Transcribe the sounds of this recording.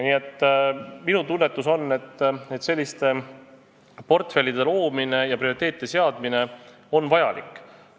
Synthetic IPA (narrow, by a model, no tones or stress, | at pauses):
niːe̞t̪ːminut̪unːe̞t̪ːˑuso̞nːe̞t̪ːet̪se̞lʲːist̪e̞ | po̞rt̪fe̞lːid̪e̞lo̞ːmine̞jɑprio̞it̪ːˑe̞ːt̪id̪ese̞ɑd̪̥mine̞ | o̞nvɑjɑlḭkːˑ